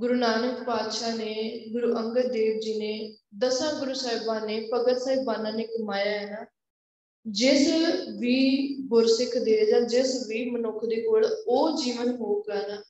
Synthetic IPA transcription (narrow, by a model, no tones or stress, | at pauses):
ɡʊɾuːnaːnəkpaːd̪ʃaːneːɡʊɾuːʔəŋɡət̚d̪eːʋd͡ʒiːneːd̪əsãːɡʊɾuːsaːɪbãːneːpəɡət̪saːɦibaːnaːneːkəmaːjaːɦɛnaː | d͡ʒɪsʋiːbʊɾsɪkʰd̪eːd͡ʒãːd͡ʒɪsʋiːmənʊkʰd̪eːkoːɭoːd͡ʒiːʋənɦoːɡaːnaː